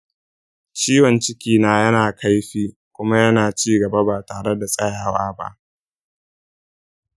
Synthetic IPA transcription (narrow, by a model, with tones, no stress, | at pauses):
t͡ʃiː˦wɐ˨nt͡ʃɪ˦kʲiː˦naː˦jɐ˦naː˨kʰa˦jɸiː˦ | kʷʊ˦ma˦jɐ˦naː˨t͡ʃiː˦ɡɐ˨ba˦baː˨taː˨ɽe˦da˨sʼɐ˦jaː˨waː˦ba̰˦ʔ